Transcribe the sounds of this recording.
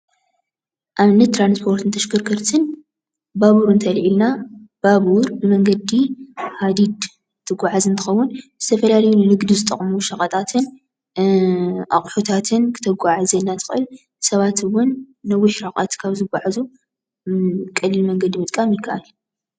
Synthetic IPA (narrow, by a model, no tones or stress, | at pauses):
ʔamnːɐt̪ːɾanspʰo̞ɾt̪ʰɨnt̪ʰɐʃkɨɾkʰɨɾt̪ʰɨn | baβuɾɨnt̪ʰɐlʕilnab̥aβuɾbɨmɐŋɡɐd̪ihad̪id̪ | t̪ʰɨɡʷaʕazɨnt̪ʰɨ̥xɐwːʊnz̥ɨt̪ʰɐfɐlalɐjunɨnɨɡd̪izɨt̪ʼɐ̰χʼmuʃɐχʼɐt̪ʼat̪ʰɨn | ʔa̰χʼħot̪ʰat̪ʰɨnkʰɨ̥t̪ʰɐɡʷaʕazɐnːat̪ʰɨ̥xʼʔɨ̰l | sɐβat̪ʰɨwʊnː | ɐwʊħɾaχʼa̰t̪kʰaβzɨɡʷaʕazu | kʼɐlːɨlmɐŋɡɐd̪imɨt̪ʼkʼamjɪkʰːɐʔal